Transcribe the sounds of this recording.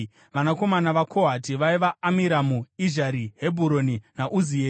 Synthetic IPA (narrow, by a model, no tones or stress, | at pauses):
ʋanako̞manaʋakʰoɦatiʋaiʋaːmiɾamuiʒaɾiɦebʱuɾo̞ninaʔuzieː